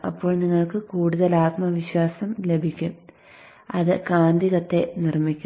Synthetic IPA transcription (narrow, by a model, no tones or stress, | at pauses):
ɐpːo̞ːɭniŋːɐɭkɨkuːɽuðɐlaːt̪mɐʋiɕwaːsɐmle̞bʱikʲːum | ɐðɨkaːnd̪iɣɐt̪ːe̞nirmikʲːu